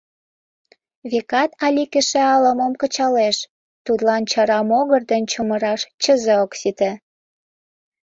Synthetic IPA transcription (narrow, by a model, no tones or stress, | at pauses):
βekɑt̪ɑlʲikeʃeɑləməmkə̆t͡ɕɑleʃ | t̪ud̪lɑnt͡ɕɑɾɑmoɣərd̪ənt͡ɕoməɾɑʃt͡ɕəzəoksit̪ĕ